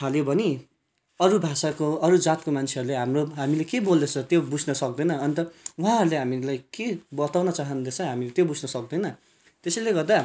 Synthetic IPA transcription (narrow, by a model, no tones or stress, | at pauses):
t̪ʰaljobʱʌni | ʌɾubʱasakoʌɾud͡zat̪̚komant͡sʰeʌɾuleɦamroɦamilekebold̪ʌt͡sʰʌt̪jobud͡zʱnʌsʌk̚d̪ʌjnʌʌnt̪ʌuɦãɦʌɾuleɦamilajkebʌt̪awnʌt͡saɦʌnd̪et͡sʰʌɦamilet̪jobud͡zʱnʌsʌk̚d̪ʌjnʌ | t̪esʌjleɡʌrd̪a